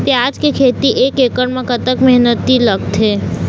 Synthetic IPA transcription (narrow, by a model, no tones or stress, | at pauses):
pjad͡ʒkekʰeːt̪iʔeːkeːkəɳmẽkət̪əkmɛɦnət̪ːiləɡ̚t̪ɦeː